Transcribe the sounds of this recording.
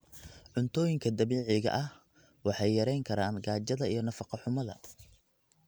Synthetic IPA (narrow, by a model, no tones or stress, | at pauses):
ʕʊnt̪ʰɔːjɪŋkʰɐd̪ɐβiːʕɪɣɐ̰ʔɐh | wɑħɑjːɐɾɛjŋkʰɐɾaːnɡaːt͡ʃɐðɐijɞnɐfɑqɑħʊmɐðɐ̰